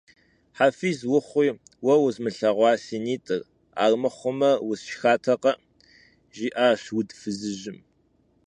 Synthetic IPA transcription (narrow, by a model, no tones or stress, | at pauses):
ħafiːzwʊχʷiː | wɐwʊzmɨɬɐʁʷɑːsiniːtʼɨr | a̰ːrmɨχʷʊmɐwʊzʃxaːtʰɐqɐʔ | ʒiːʔaːɕwʊdfɨzɨʑɪm